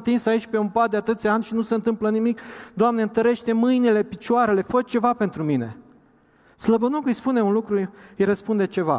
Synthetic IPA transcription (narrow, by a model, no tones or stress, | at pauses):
t̪insait͡ʃʲpe̞umpat̪̚d̪eat̪ɨt̪sʲanʲʃinuseɨnt̪ɨmplənimikd̪oamneɨnt̪əɾe̞ʃt̪e̞mɨjnile̞pit͡ʃoaɾe̞le̞fət͡ʃt͡ʃe̞vape̞nt̪ɾumine̞̰ | sləbənokɨjspune̞unlukɾuɨjrəspund̪e̞t͡ʃe̞va̰